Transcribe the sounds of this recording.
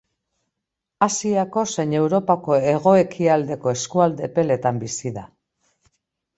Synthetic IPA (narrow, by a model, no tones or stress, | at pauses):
asiako̞se̞jɲe̞wɾo̞pako̞e̞ɣ̞o̞e̞kʰiald̪e̞ko̞e̞skuald̪e̞pe̞le̞t̪ambisiða